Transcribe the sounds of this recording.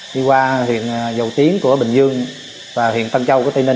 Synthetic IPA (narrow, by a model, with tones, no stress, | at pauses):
ɗi˧kwaː˧hwḭ˧˨ənzə˨˩wt̪i˨˦ənku˧˩əɓï˧˨˩ŋ̟zɨ˧əŋ | vaː˨˩hḭ˧˨ənt̪ə˧ŋt͡ɕa˧wku˧˩˦t̪i˧ne˧